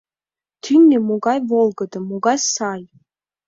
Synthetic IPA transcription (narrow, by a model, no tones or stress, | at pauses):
t̪ʰynʲːemuɡajvolˠɡəd̪amuɡajsaj